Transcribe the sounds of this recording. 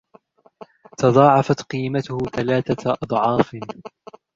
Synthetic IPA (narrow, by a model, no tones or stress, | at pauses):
t̪ɑðˤɑːʕɑfat̪qiːmat̪ʊhʊθalaːθaʔɑd̪ˤʕɑːf